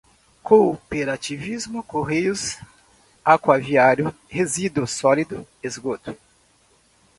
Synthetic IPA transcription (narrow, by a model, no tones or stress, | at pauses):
kopeɾat͡ʃivizmʊkoɦejʊs | akwaviaɾjʊ | hezid̪ʊsɔlid̪ʊ | ezɡot̪ʊ̥